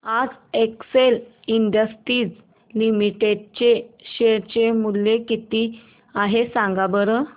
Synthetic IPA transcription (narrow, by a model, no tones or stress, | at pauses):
ad͡zeksel | iɳɖəsʈɾiːd͡z | limiʈeɖ̚t͡ɕeɕeɾt͡ɕemuljekit̪i | aɦesãŋɡabəɾə